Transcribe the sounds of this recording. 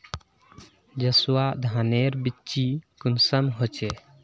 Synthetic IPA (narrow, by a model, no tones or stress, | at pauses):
d͡ʒəswad̪ʱaneɾbit͡ʃikunsəmɦot͡ʃɛ